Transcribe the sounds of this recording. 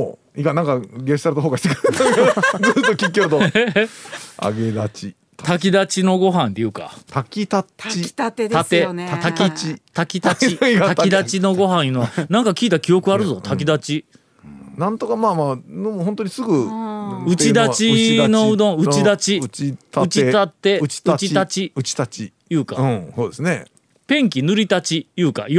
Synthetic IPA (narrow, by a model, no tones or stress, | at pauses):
ikanãŋkaɡest̪aɾɯt̪oɦoːkaɕit̪ekɯɯt̪akd͡zɨːt̪ːokʲikʲːoɾɯt̪o | a̰ɡed̪at͡ɕi | t̪ʰak̬ʲid̪at͡ɕino̞ɡo̞ɦãnt̪ejɯ̟ːka̰t̪akʲit̪at͡ɕit̪at̪eat̪akʲit̪akʲit̪aiat̪kʲid̪at͡ɕino̞ɡo̞ɦãɰ̃jɯ̟noanãŋkakʲiːt̪akʲijo̞kɯ̟aɾɯ̟zo̞t̪ʰak̬ʲid̪at͡ɕi | nãnt̪okamaːmaːnomhõnt̪oɲisɨɡɯ | ɯ̟t͡ɕid̪at͡ɕino̞ɯ̟d̪õ̞ɯ̟t͡ɕid̪at͡ɕiɯt͡ɕiat̪ːeɯ̥t̪t͡ɕit̪at͡ɕiɯ̟i̥t̪at͡ɕi | jɯ̟ːkã̰soːd̪esne | pẽ̞ŋkʲinɯ̟ɾʲit̪at͡ɕijɯ̟ːka̰